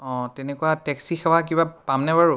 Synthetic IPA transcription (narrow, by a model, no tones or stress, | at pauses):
ɔ̃tɛnɛkuwatɛksixɛwak̬ibapamnɛbaɹu